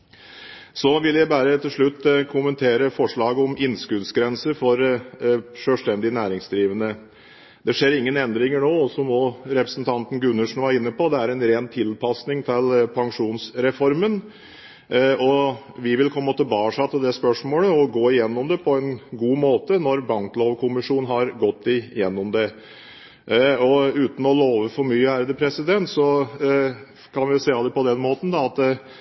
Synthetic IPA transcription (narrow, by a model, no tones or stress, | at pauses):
sɔʋɪljæɪbæːɾət̪ʰɪlʂɭʉt̪ːkʰʊmənt̪ʰeːɾəfɔʂɭɑːɡəɔmɪnskʉd̪sɡɾɛnsəɾfɔɾ | ʂøːʂt̪ɛnd̪ɪnæːɾɪŋsd̪ɾiːʋənə | d̪̥ɛʂeːɾɪŋːənɛnd̪ɾɪŋəɳoːɔsɔmɔːɾɛpɾəsnt̪ʰɑnt̪n̩ɡʉnːəʂn̩ʋæːɾɪnːəpɔd̪ɛæɾɛnɾeːnt̪ʰɪlpʰɑsnɪŋt̪ʰɛlpʰɑŋʂuːnsɾɛfɔɾmən | ɔ | ʋɪʋɪlpʰɔmɔːt̪əbɑːʂɑt̪ːəd̪ɛspœʂmoːləɔɡoːɪjɛnːɔmd̪ɛpʰɔɛnɡuːmoːt̪ənɔɾbɑŋkloːʋkʰʊmɪʂuːnɦɑɾɡɔt̪ːɪjɛnːɔmd̪ɛ | ɔʉːt̪n̩ɔloːʋəfɔɾmyːəhæɾd̪əpʰɾɛsɪd̪ɛnt̪sɔ | kʰɑnʋɪjʊseːɑlːəpʰɔd̪ɛnmoːt̪n̩d̪ɑɑt̪